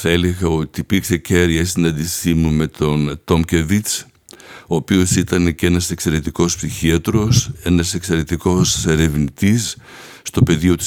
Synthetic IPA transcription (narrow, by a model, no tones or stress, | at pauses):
θɐe̞leɣɐo̞t̪iːpiksece̞ɾʝɐisinɐnd̪isimume̞t̪o̞nt̪o̞mce̞vit͡s | oːpio̞sit̪ɐne̞ce̞nɐse̞kse̞ɾe̞t̪iko̞spsiçiɐt̪ɾo̞se̞nɐse̞kse̞ɾe̞t̪iko̞se̞ɾe̞vnit̪isː | t̪o̞pe̞ðio̞t̪i̥s